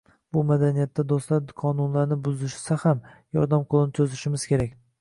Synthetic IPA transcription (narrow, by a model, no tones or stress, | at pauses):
bʊmad̪anijat̪ːad̪oslaɾqʰɒnʊnlaɾnɪbʊzɪʃsahamjɒɾd̪amqʰolˠɪnɪt̪ʰɵzɪʃɪmɪz̥kʲe̞ɾakʲ